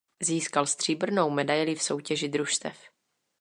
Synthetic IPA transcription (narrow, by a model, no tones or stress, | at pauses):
ziːskalst̪r̥iːbr̩nowmɛdajlɪfso̞wcɛʒɪd̪ɾuʃt̪ɛ̰f